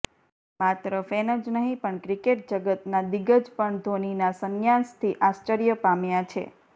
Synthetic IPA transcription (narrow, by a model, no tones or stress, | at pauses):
mat̪ɾəfenəd͡ʒnəɦĩpəɳkɾikeʈ̚d͡ʒəɡət̪nad̪iɡəd͡ʒpəɳd̪ʱoninasəŋjãnst̪ʰiʔast͡ʃəɾijəpamjat͡ʃʰḛ